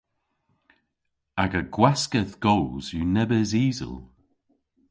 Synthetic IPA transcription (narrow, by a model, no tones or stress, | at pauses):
aɡəɡwaskəðɡ̥owzunɛbəziːzə̰lˠ